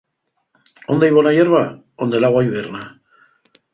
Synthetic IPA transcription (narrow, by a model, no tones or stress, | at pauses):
ond̪ajβonajeɾβa | ond̪elaɣwajβerna